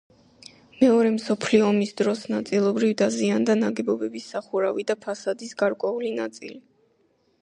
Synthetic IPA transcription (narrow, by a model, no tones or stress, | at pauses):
mɛɔɾɛmsɔpʰliɔːmisd̪ɾɔsnat̪sʼilˠɔbɾivd̪aziand̪anaɡɛbɔbɛbisːaχuɾavid̪apʰasad̪isɡaɾkʼwɛulinat̪sʼḭli